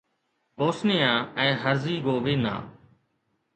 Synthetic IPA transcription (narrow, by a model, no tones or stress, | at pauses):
poːsnɪjãːɛ̃ːɦəɾziːɡoːʋeːnã̰ː